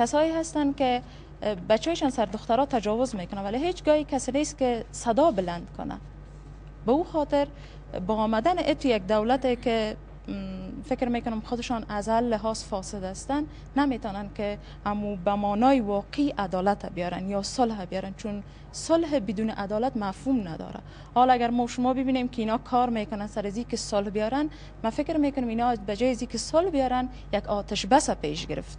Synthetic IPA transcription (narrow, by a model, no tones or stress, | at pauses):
kasɔeɦast̪ankɪ | bat͡ʃːɔjɪʃɔnsaɾd̪ʊxt̪aɾɔt̪ad͡ʒɔwʊzmekʊnawaleɦet͡ʃɡɔikasɪnest̪kɪsad̪ɔbɪland̪kʊ̰na̰ | bauxɔt̪ɪɾ | bɔːmad̪anɪʔɪt̪ujak̚d̪awlat̪ekɪ | fɪkɾmekʊnʊmxʊd̪ɪʃɔnazhalːɪɦɔzfɔsɪd̪ast̪anː | amet̪ɔnankɪ | amubamɔnɔjiwɔqiʔad̪ɔlat̪ʰabijɔɾanjɔsʊlhabijɔɾant͡ʃun | sʊlɦbɪd̪unɪʔad̪ɔlat̪mafhumna̰d̪ɔ̰ɾa̰ | hɔlaɡaɾmɔwʃʊmɔbɪbinemkɪinɔkʰɔɾmekʊnansaɾazikɪsʊlhbijɔɾan | mafɪkɾmekʊnʊminɔzbad͡ʒɔːjazikɪsʊlhbijɔɾan | jaɡɔt̪aʃbasapḛʃɡɪɾɪ̰ft̪